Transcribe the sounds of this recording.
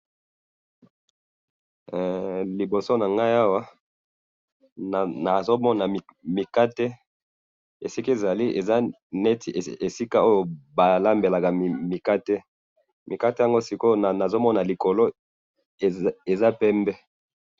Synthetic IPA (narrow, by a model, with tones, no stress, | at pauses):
li˨bo˨so˦na˨ŋɡa˦ja˦wa˦˨ | na˨zo˦mɔ˦na˨mi˨ka˦te˦ | e˨si˦ki˦e˨za˨li˦ʔḛ˨za˦ | nɛ˦ti˨e˨si˦ka˦o˦jo˨ba˨la˦mbe˨la˨ka˨mi˨ka˦te˦ | mi˨ka˦te˦ja˨ŋɡo˦si˨ko˦˨na˨zo˦mɔ˦na˨li˨ko˨lo˦˨ | e˨za˦pɛ˦mbɛ˦